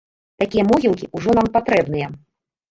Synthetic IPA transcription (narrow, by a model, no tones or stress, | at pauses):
t̪akʲijɐmɔɣʲilˠkʲiʔuʐɔnampat̪ɾɛbnɨjɐ